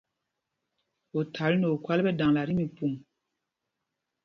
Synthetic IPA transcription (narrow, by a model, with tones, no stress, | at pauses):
o˨tʰa˨˦lno˨kwa˦lbɛ˦da˨ŋla˨ɾi˦mi˨pu˨m